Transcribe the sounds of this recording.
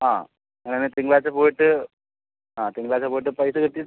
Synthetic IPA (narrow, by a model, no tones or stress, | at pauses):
aː | ɐnɐnet̪iŋɡɭaːt͡ɕɐpoːjiʈːɨ | ãːt̪iŋɡɭaːt͡ɕɐpoːjiʈ̬ːɨpɐjsɨkɐʈːijɐ